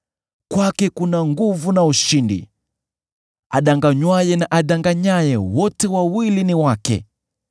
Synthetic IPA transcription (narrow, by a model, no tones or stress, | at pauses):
kwakɛkunaŋɡuvunauʃindḭ | a̰ɗaŋɡaɲwajɛnaʔaɗaŋɡaɲajɛwɔtɛwawiliniwakɛ̰